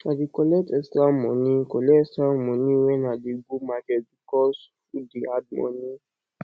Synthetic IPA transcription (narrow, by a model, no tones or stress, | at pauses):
adikɔlɛtɛstɾamɔ̃nĩkɔlɛɛstɾamɔ̃nĩwɛnadiɡumakɛt̚bikɔsfudead̚mɔ̰̃nĩ